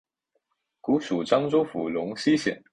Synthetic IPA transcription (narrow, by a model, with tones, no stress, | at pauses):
ku˧˥ʂu˨˩ʈ͡ʂɑ˥ŋʈ͡ʂo˥ʊfu˨˥lʊ˧˥ŋɕi˥ɕjɛ̰˨˩˦n